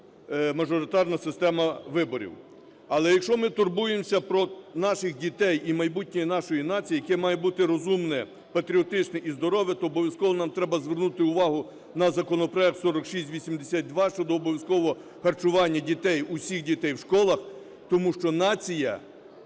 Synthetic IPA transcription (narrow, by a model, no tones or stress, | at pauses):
mɐʒɔɾɪt̪ɑrnɐsɪst̪ɛmɐʋɪbɔɾʲḭw | ɐlˠɛjɐkʃɔmɪt̪ʊrbujemsʲɐpɾɔnɑʃɪxdʲit̪ɛjimɐjbutʲnʲɔjinɑʃɔjinɑt͡sʲijijɐkɛmɑjɛbut̪ɪɾɔzumnɛ | pɐt̪ɾʲiɔt̪ɪt͡ʃnɛʔizd̪ɔɾɔʋʲjɐt̪ɔːbɔʋʲjɐskɔʋɔnɑmt̪ɾɛbɐzʋernut̪ɪʊʋɑɦʊ | nɐzɐkɔnɔpɾɔjɛk̚t̪sɔɾɔkʃisʲtʲʋʲisʲimd̪esʲat̪̚ʲd̪ʋɑʃt͡ʃɔd̪ɔːbɔʋʲjɐskɔʋɔɦɔ | xɐrt͡ʃʊʋɑnʲːɐdʲit̪ɛjʊsʲixdʲit̪ɛjwʃkɔlˠɐx | t̪ɔmuʃt͡ʃɔnɑt͡sʲijɐ̰